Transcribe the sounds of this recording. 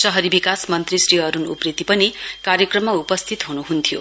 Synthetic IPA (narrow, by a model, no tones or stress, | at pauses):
sʌɦʌɾibikasmʌnt̪risriɦʌɾunṵprit̪ipʌnikaɾjʌkrʌmːaupʌst̪ʰit̪ɦunuɦunt̪ʰijo̰